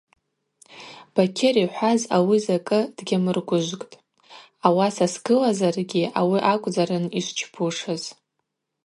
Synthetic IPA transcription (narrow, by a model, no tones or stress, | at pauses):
b̥akʲʰɪriħʷazawizakʼɨd̥ɡʲamɨrɡʷʊʒʷkʼtʼ | awasasɡɨlazarɡʲiʔawiʔakʷʼd͡zaɾɨniʃʷt͡ʃʰbʰuʂɨz̥